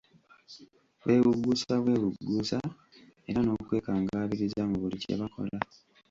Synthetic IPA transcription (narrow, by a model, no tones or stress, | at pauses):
wʔe̞ːβuɡːusaβwe̞ːβuɡːusa | e̞ɾano̞ːkwe̞ːkaːŋɡaːβiɾizamuβulicḛβako̞̰la